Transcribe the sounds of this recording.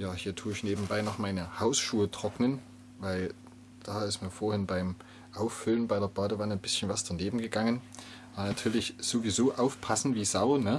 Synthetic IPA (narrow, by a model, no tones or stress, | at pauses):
jaːhiːɐtʰuːɪçneːbm̩baɪnɔχmaɪnəhaʊsʃuːətʁ̥ɔknən | vaɪl | d̥aːɪstmiːɐfoːɐhɪnbaɪm | ʔaʊfːʏlənbaɪdeːɐbaːdəvanənbɪsçn̩vasd̥aneːbm̩ɡəɡaŋən | ʔabɐnatʰyːɐlɪçz̥ovizoːʔaʊfpʰasn̩tv̥iːzaʊnə